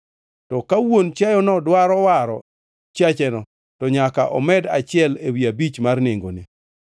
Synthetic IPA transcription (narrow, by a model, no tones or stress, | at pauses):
tɔkawont͡ʃajɔnɔdwaɾɔwaɾɔ̰ | t͡ʃjat͡ʃɛnɔ | tɔɲakaʔɔ̰mɛdat͡ʃɪɛlewiabit͡ʃmarneŋɡo̰ni